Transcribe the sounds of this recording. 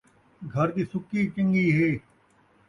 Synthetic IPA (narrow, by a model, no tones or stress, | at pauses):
ɡʱəɾd̪iːsʊkːiːt͡ʃəŋɡiːɦeː